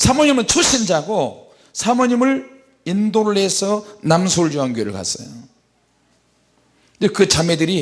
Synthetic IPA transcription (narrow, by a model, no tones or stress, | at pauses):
sʰamoɲimɯnt͡ɕʰuɕʰind͡ʑaɡo | sʰamoɲimɯɭ | indoɭːe̞sʰʌnamsʰoɭjuanɡɥeɾɯɭka̰s͈ʌ̰jo | ekɯt͡ɕamedɯɾi